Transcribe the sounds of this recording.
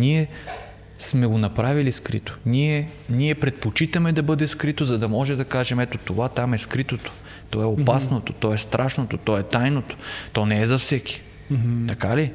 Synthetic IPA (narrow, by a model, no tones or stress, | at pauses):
niɛ | smɛɡonɐpɾaviliskɾḭt̪o̥niɛniɛpɾɛt̪̚pot͡ʃit̪ɐmɛd̪ɐbɤd̪ɛskɾit̪ozɐd̪ɐmɔʒɛd̪ɐkaʒɛmɛt̪ot̪ovat̪amɛskɾit̪ot̪o̥ | t̪ɔɛopasnot̪o̥t̪ɔɛst̪ɾʔaʃnot̪ot̪ɔɛt̪ajnot̪o̥t̪ɔnɛɛzɐfsɛki̥ | t̪ɐkali